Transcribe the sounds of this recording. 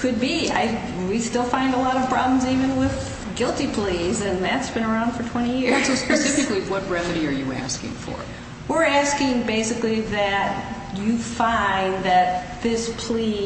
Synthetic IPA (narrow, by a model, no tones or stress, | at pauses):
kʰɨd̚bia̰ɪ | wistɪlˠfãɪ̃ndəlɔɾʌv̥pʰɹ̥ɑ̰blə̃m̩zivɨ̃nwɪð | ɡɪlˠtipʰl̥izɨ̃nðɨtsb̥ɨ̃ñə˞ãʊ̃nd̥fə˞tʰw̥ɛ̃ɾ̃ijɪsoʊspɨsɪfɨkliwʌt̚ɹɛmɨɾiə˞jɨ̰æ̰skɪ̰̃ŋfə̰˞ | wɪɹæskɪ̃ŋbeɪsɨkliðɨt | ɨfãɪ̃nðɨt̪̚ðɪspʰl̥i